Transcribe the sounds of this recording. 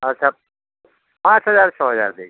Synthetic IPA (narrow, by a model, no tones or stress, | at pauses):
ɐtːt͡ʃʰa | pãːt͡ʃɦɐzaːɾt͡ʃʰɔːɦɐza̰ːɾd̪eː